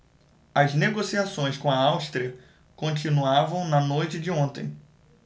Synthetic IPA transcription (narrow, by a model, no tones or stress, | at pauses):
ɐzneɡosiasõj̃skõɐawst̪ɾiɐ | kõnt͡ʃinuavɐ̃w̃nɐnojt͡ʃɪd͡ʒɪõnt̪ḛ̃j̃